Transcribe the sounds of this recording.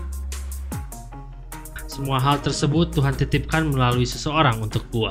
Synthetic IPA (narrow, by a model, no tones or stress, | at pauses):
səmuaɦalt̪ərsəbʊt̪ːuɦant̪it̪ip̚kanməlaluisəsəoɾaŋunt̪ʊk̚bua